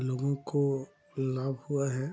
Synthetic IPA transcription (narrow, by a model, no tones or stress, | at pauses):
loːɡõko | laːbhuaɦɛ